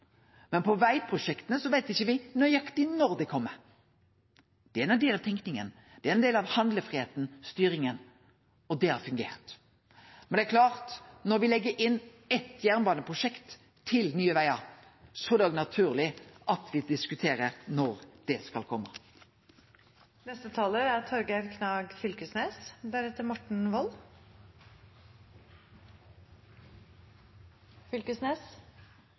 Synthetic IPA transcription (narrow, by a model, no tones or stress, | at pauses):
mɛnpʰɔʋæɪpʰɾʊʃɛkt̪ənəsɔʋæɪt̪ɪçːəʋɪnɔjɑkt̪ɪnɔɾd̪ɛkʰɔmːəɾ | d̪̥ɛæɛnæd̪eːlɑʋt̪ʰɛŋknɪŋə̰n | d̪̥ɛæɛnd̪eːlɑʋhɑnd̪ləfʁɪheːt̪n̩st̪yːɾɪŋən | ɔd̪ɛhɑɾfʉŋɡḛːɾt̪ | mɛnd̪ɛːækʰlɑːʁt̪nɔɾʋɪlɛɡːəɾʔɪnː | ɛt̪jæʁnbɑːnəpʰʁʊʂɛkt̪ʰː | ɪlnyːəʋæɪɑ | sɔd̪ɛɔɡnɑt̪ʰʉːʁlɪʔɑt̪ʰʋɪd̪ɪskʉt̪ʰeːɾəʁnɔʁd̪̥ɛskɑlkʰɔmːə̰ | nɛst̪ət̪ʰɑːləæɾt̪ʰɔɾɡəɾkʰnɑːɡfʏlkəsneːsd̪æɾhɛt̪ːəɾmɔʈɳ̩ʋɔl | fʏlkəsneːs